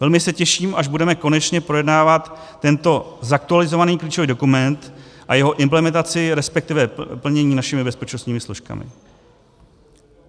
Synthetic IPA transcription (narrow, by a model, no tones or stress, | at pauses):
vɛlmɪsɛcɛʃiːmʔaʒbudɛmɛko̞nɛt͡ʃɲɛpɾo̞jɛdnaːvat̪ː | ɛnt̪o̞zak̚t̪ualɪzo̞vaniːkliːt͡ʃo̞viːdo̞kumɛnt̪ʔa̰jɛɦo̞ʔɪmplɛmɛnt̪at͡sɪɾɛspɛk̚t̪ɪvɛpl̩ɲɛɲiːnaʃɪmɪbɛspɛt͡ʃno̞st̪ɲiːmɪsloʃka̰mɪ̰